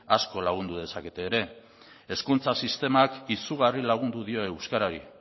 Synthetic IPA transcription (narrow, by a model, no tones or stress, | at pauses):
asko̞laɣ̞und̪uðe̞sake̞t̪e̞ːɾe̞ | eskunt͡sasist̪e̞makisuɣ̞arilaɣ̞und̪uðio̞ewskaɾaɾi